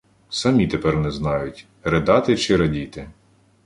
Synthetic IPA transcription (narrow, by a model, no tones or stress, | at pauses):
sɐmʲit̪epɛrnɛznɑjʊtʲ | ɾed̪ɑt̪ɪt͡ʃɪɾɐdʲit̪ɪ